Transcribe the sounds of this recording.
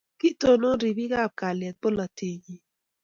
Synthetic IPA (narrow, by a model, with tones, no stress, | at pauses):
ki˦to˨no˦ɾi˨bi˦ɡa˦˨b̚ka˨lɪɛ˨t̪̚po˦la˨tʰi˨ɲi˨